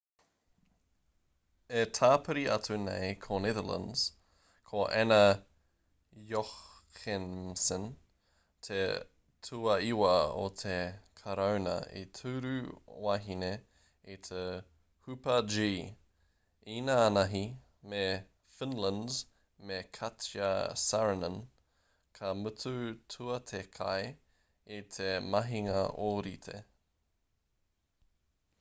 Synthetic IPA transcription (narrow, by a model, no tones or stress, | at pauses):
etʰaːpʰəɾiʔɐtunḛjkʰonɛðələ̰̃ndz̥ | kʰoʔɛnɐ | jox | xensən | tʰe | tʰuɐiwɐo̰t̪ʰekʰɐɾownɐ̰ḭtʰʉɾʉaɦine | itʰe | hʉpɐd͡ʒiː | iːnaːnɐɦi | me | fɪnlənz | mekʰɐtiɐ̰saɹənə̃n | kʰɐmʉtutʰuɐt̪ʰekʰɐ̰j | it̪ʰemɐɦiŋɐʔoɾit̪ʰḛ